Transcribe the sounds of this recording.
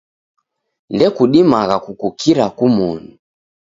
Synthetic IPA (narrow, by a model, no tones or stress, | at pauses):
ndɛkuɗimaɣakukukʰiɾakumuni